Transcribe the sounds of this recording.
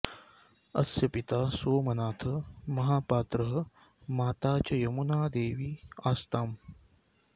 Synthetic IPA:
ɐ̰sjɐpit̪aːsoːmɐnaːt̪ʰɐmɐɦaːpaːt̪ɾɐɦɐ | maːt̪aːt͡ʃɐjɐmunaːd̪eːʋiːaːst̪aːm

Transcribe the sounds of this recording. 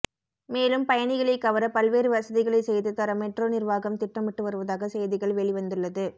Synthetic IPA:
meːlɯmpɐjɐnɪɣɐɭɐɪkɐʋɐɾɐpɐlʋeːɾɯʋɐsɐðɪɣɐɭɐɪsɛjðɯt̪ːɐɾɐmɛʈroːnɪɾʋaːɣɐmt̪ɪʈrɐmɪʈːɯʋɐɾɯʋɐðaːɣɐsɛjðɪɣɐɭʋɛɭɪʋɐnd̪ɯɭːɐðɯ

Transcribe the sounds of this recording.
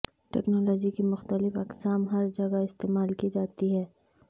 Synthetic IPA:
ʈɛ̰ːknɔːlɔːd͡ʒikimʊxt̪əlɪfɐksaːmɦɐɾd͡ʒɐɡaɪst̪eːmaːlkid͡ʒaːt̪iɦɛː

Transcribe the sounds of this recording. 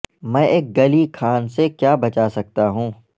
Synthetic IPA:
mɛ̃ːʔeːk̚ɡɐlikʰaːnsekjaːbɐt͡ʃasɐk̚t̪aɦũː

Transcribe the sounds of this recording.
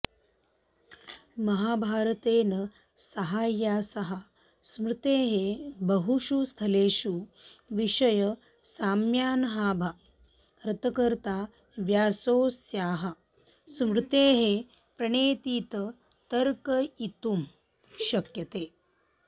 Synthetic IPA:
mɐɦaːbʱaːɾɐt̪eːnɐ | sɐɦaːjːaːsɐɦɐ | smɾɪt̪eːɦebɐɦuʃust̪ʰɐleːʃuʋiʃɐjɐ | saːmjaːnɐɦaːbʱa | ɾɐt̪ɐkɐɾt̪aː | ʋjaːsoːsjaːɦɐ | smɾɪt̪eːɦe | pɾɐɳeːt̪iːt̪ɐ | t̪ɐɾkɐit̪um | ʃɐkjɐt̪eː

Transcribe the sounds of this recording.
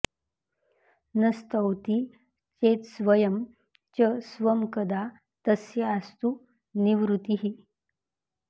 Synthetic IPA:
nɐst̪əwt̪i | t͡ʃet̪sʋəjəm | t͡ʃəsʋəmkəd̪a | t̪əsjəːst̪u | niʋɾut̪iɦi

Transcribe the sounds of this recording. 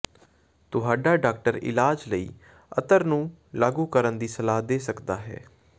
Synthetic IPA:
t̪ʊɦaːɖaːɖaːk̚ʈəɾɪ̰laːd͡ʒləḭː | ət̪əɾnũːlaːɡuːkəɾənd̪iːsəlaːd̪eːsəkd̪aːɦɛ̰ː

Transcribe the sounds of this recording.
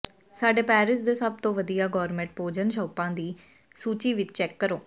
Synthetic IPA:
saːɖeːpɛːɾɪsd̪eːsəb̚t̪õːʋəd̪ijaːɡɔːɾmɛ̃ɳʈ̚poːd͡ʒənʃɔːpãːd̪iː | suːt͡ʃiːʋɪt͡ʃt͡ʃɛːkːəɾoː

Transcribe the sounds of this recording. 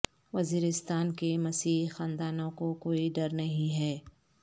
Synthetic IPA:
ʋɐziːɾɪst̪aːnkemɐsiːɦxãːnd̪aːnõkokoːiɖɐɾnɐɦĩɦɛː

